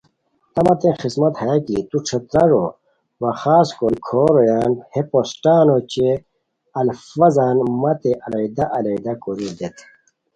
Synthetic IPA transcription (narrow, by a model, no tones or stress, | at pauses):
t̪ɐmɐt̪ẽxismɐt̪hɐjakit̪uʈ͡ʂʰɐt̪ɾɐʐo | wɐxaːskokʰoːɾojaːnheposʈaːnot͡ɕe | ɐlfɐzaːnmɐt̪eʔɐlɐid̪aʔɐlɐid̪akoɾid̪et̪ʰ